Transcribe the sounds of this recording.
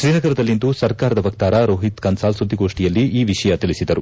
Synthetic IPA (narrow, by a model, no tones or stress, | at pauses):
ʃɾiːnɐɡɐɾɐd̪ɐlːind̪usɐɾkaːɾɐd̪ɐʋɐk̚t̪aːɾɐɾoːɦit̪kɐnsaːlsud̪ʱːiɡo̞ːʂʈijɐlːiʔiːʋiʂɐjɐt̪ilisid̪ɐɾu